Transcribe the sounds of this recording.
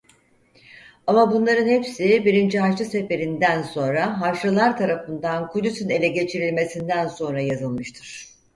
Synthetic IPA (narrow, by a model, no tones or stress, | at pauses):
amabunlˠaɾɯnhepsibiɾind͡ʒiɦat͡ʃɯse̞fe̞ɾind̪ænso̞nɾaɦaɾʃɯlˠaɾt̪ʰaɾafɯnd̪ankʰud̪ysyne̞lʲɛɟe̞t͡ʃʰiɾilʲme̞sind̪ænso̞nɾajazɯlˠmɯʃt̪ʰɯɾ̥